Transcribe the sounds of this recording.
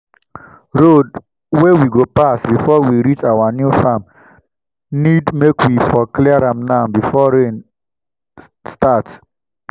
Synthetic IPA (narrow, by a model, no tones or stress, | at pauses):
ɹod | wewiɡopasbifɔwiɾit͡ʃawanjufam | nidmekwifɔkliɹãmnabifɔɹẽn | stat